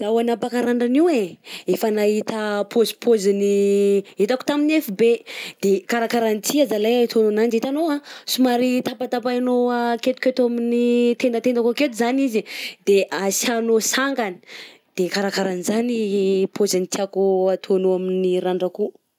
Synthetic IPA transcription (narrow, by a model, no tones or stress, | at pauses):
d̪awanapakaɾaɳɖ͡ʐaniweefanaɦit̪apʰozi̥pʰoziniit̪aku̥t̪aminefibed̪̥ekaɾakaɾanit̪ʰiazalajat̪ʰononand͡ʒit̪anoasumaɾit̪apat̪apaanoaket̪u̥ket̪uaminit̪end̪at̪end̪akaket̪uzanizid̪̥eʔasianosaŋɡani̥ | d̪̥ekaɾakaɾanizanipʰozanit̪ʰʲiakuat̪ʰonoaminiɾaɳɖ͡ʐaku